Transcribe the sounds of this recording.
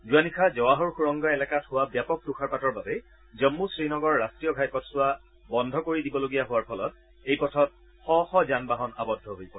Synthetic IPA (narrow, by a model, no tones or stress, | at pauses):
zuanikʰazɔwaɦɔɹxuɹɔŋɡaɛlɛkathʊwabjapɔk̚tuxʰaɹpatɔɹbabɛ | zɔmːusɹinɔɡɔɹːastɹijɔɡʱajpɔtsʊwa | bɔndʱɔkoɹidibɔloɡijaɦʊwaɹpʰɔlɔt̚ | ejpɔtʰɔt̚ | xɔxɔzanbaɦɔnabɔdʱːɔɦojpɔ